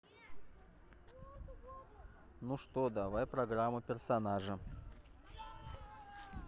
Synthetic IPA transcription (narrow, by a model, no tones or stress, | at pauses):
nuʂt̪od̪ɐvajpɾɐɡraməpʲɪrsɐnaʐə